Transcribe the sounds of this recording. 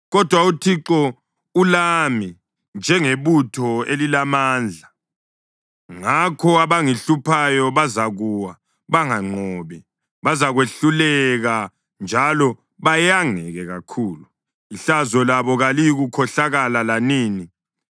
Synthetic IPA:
ɣɔd̥ʱwautʰiǁɔ | ulami | nd͡ʒʱɛŋeβutʰɔelilamaːnd͡ɮʱa | ŋakʰɔaβaŋiɬupʰajɔβazaɣuwa | βaŋaŋ͡ǃʱɔːβi | βazaɣweɬulɛɣa | nd͡ʒʱalɔ | βajaŋɛɣɛɣakʰuːlu | iɬazɔlaβɔɣalijiɣukʰɔɬaɣalalaniːni

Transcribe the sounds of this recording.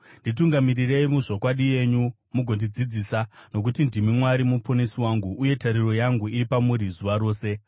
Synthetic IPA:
ndituŋɡamirire̞imuʐo̞kwaɗije̞ɲu | muɡʱo̞ndid͡zid͡ziːsano̞k̬utindimimwaɾimuponesiwaŋɡuʔːje̞taɾiro̞jaŋɡuiɾipamuɾizuʋaɾo̞ːse̞

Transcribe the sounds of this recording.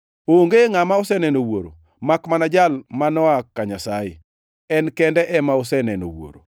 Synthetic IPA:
oŋɡeŋamaosɛnɛnowoɾo̰ | makmanad͡ʒalmanɔakaɲasajḛ | ɛnkɛndɛʔɛmaosɛnɛno̰wo̰ɾo̰

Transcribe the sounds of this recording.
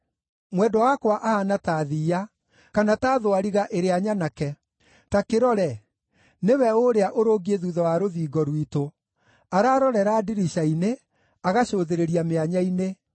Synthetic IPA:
mwɛdɔwakwaʔahanataːðiːa | kanataːðoaɾiɣaʔeɾeaɲanakɛ | takeɾɔɾɛ | newɛoɾeaʔoɾoɡieðuðɔwaɾoðiːɡɔɾwito | aɾaːɾɔɾɛɾadiɾiɕaine | aɣaɕoːðeɾeɾiameaɲaine

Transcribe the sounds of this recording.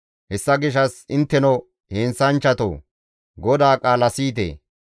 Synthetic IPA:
hɛsːɐɡɪʃ̬ɐsɪnt̪ːɛnɔ | heːnsɐnt͡ʃːɐt̪o̰ː | ɡɔd̪aːkʼaːlɐsiːt̪̬ḛː

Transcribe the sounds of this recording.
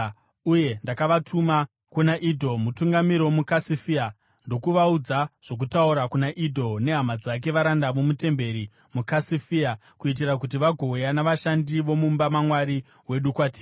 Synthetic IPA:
uje̞ndakaʋatʰuma | kunaʔidʱo̞mutuŋɡamiɾwomukasifia | ndo̞kuʋaud͡zaʐ̥o̞k̬utauɾakunaʔidʱo̞ne̞ɦamad͡zak̬e̞ʋaɾandamumute̞mbe̞ɾi | mukasifia | kuit̬irak̬ut̬iʋaɡʱo̞janaʋaʃandiʋo̞mumbamamwaɾi | we̞ɗukwatiː

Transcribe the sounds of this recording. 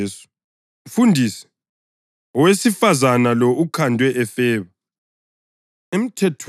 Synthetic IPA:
sɔ̥ | fundʱiːsɛ̥ | ɔwesifazanalɔʔukʰandʱwɛʔɛfɛːβa | em̩tʰɛtʰ

